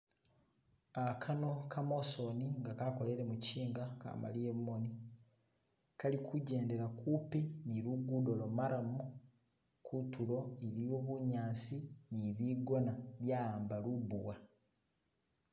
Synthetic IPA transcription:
akʰano̞kʰamo̞so̞niŋɡakako̞le̞ɾe̞muciːŋɡaka̰ma̰lijemmo̞ni | kalikʰuɟe̞ːnde̞ɾakupiniɾuɡudo̞lomaɾamu | kʰutuɾo̞eɾiwoβuɲaːnsiniβiːɡo̞naβjaːaːmbalubuwa

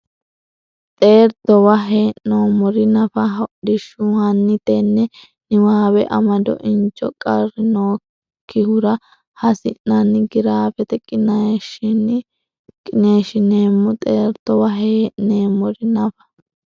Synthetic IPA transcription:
t̪ʼe̞ːɾt̪ɔwɐɦeːʔnoːmɔɾɪnɐfɐɦɐʊɗɪʃːʊhɐnːɪt̪enːɛ | nɪwaːwɛʔɐ̰mɐd̪ɔ̰ʔɪnt͡ʃːɔkʼɐrɪnoː | kʰːɪhʊɾɐ | hɐsɪ̰nːɐnɪɡɪɾaːfɛt̪ɛkʼːɪnɐʃɪn | kʼːɪne̞ːʃɪneːmːɔt̪ʼeːɾt̪ɔwɐɦeːʔneːmɔɾɪnɐfɐ̥

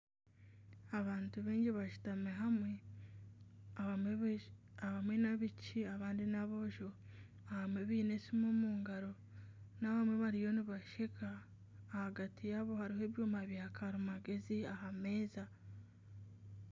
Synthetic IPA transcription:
aβaːntuβeːɲɟiβaʃu̥tameɦamwe̞ | aβamwe̞naβiciaβaːndinaβo̞ʒo̞ | ahamwe̞βiːne̞simoːmuːŋɡaɾo̞ | naβamwe̞βaɾijo̞niβaʃekaː | haɡatʰijaβo̞haɾiɦoe̞ːβjuːmaβjaːkʰaɾumaɡe̞ziahame̞ːza

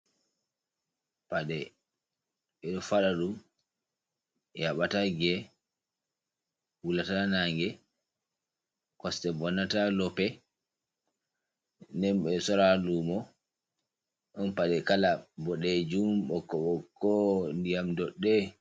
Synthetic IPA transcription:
paɗɛ | ɓɛɗɔfaɗaɗum | jaɓataɡɛ | wulatanaŋɡɛ | kɔstɛbɔnatalɔpɛ | nɛmɓɛsɔɾalumɔ | ɗɔnpaɗɛkalabɔɗɛd͡ʒumɓɔkːɔɓɔkːɔndijamdɔɗːɛ

